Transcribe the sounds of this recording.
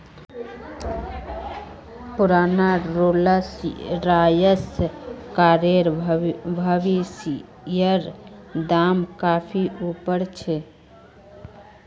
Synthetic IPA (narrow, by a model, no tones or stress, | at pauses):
puɾanaɾoləsɾajəskaɾeɾbʱəʋis | jəɾd̪amkapʰiʔupəɾt͡ʃʰɛ